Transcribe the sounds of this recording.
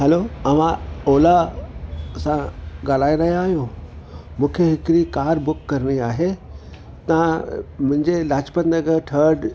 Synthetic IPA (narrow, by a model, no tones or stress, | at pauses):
ɦɛloɐʋãoːla | sãɡaːlaːiɾɐɦjaːɦijõ | mũːkʰeɦɪkɾikaːɾbʊkːɐɾɽ̃iaːɦe | t̪ɐãmʊ̃ɦɪ̃ɲd͡ʑelaːd͡ʑpət̪nəɡəʈʰəɾɖ